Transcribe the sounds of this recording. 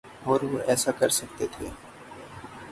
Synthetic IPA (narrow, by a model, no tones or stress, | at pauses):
ɔːɾʋoʔɛːsakɐɾsɐk̚t̪et̪ʰḛː